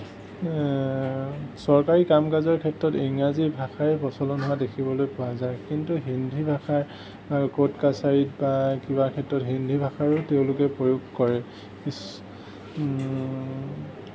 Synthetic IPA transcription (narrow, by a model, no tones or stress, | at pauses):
sɔɹkaɹikamkazɔɹkʰɛtɹɔtiŋazibʱaxaɹɛpɔsɔlɔnɦʊwadekʰibɔlojpɔazaɹkintuɦindʱibʱaxʰaɹ | akotkasaɹit̚bakibakʰɛtɹɔtɦindʱibʱaxaɹʊteʊ̃lʊkɛpɹojoɡkɔɹɛ | kis